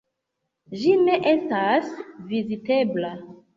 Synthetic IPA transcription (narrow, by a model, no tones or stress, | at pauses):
ʒineʔestasvizitebla